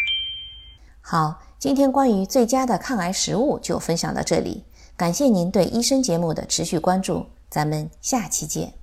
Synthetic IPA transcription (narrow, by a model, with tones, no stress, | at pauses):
xɑ˨˩˦ʊ | t͡ɕi˥nt̪ʰjɛ˥nkwa˥ny˧˥t͡swe˥˩ɪt͡ɕja˥d̪ə˨kʰa˥˩ŋa˧˥ɪʂɻ̩˧˥u˥˧t͡ɕjo˥˩ʊfə˥nɕjɑ˨˩ŋlə̰˧˥ʈ͡ʂɤ˥˩lḭ˨˩˦ | ka˨˩nɕjɛ˥˩ni˧˥nt̪we˥˩ɪʔi˥ʂɤ˥ŋt͡ɕjɛ˧˥mu˥˩d̪ə̰˩ʈ͡ʂʰɻ̩˧˥ɕy˥˩kwa˥nʈ͡ʂṵ˥˩ | t͡sa˧˥mə˧nɕja˥˩t͡ɕʰi˧˥t͡ɕjɛ̰˥˩˦n